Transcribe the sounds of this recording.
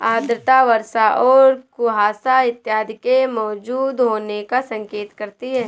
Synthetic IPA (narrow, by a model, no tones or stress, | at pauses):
aːd̪ɾɪt̪aʋɐɾʃaʔɔːɾkʊɦaːsaɪt̪jaːd̪ʱɪkemɔːd͡ʒuːd̪ɦoːnekasɐ̃ŋkeːt̪kɐɾt̪iɦɛː